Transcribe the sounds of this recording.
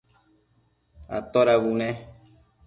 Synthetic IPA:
a̰t̪oɾaβunẽ

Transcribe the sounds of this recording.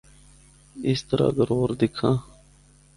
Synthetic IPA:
ɪst̪əɾa̰ːɡəɾoːɾd̪ɪkʰãː

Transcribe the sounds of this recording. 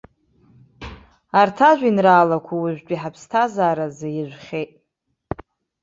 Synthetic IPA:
artʰaʒᶣʷinraːlakʷʰawʊʒʷᶣt͡ʃʼiħapʰstʰazaːɾazajɪʒᶣʷχʲejtʼ

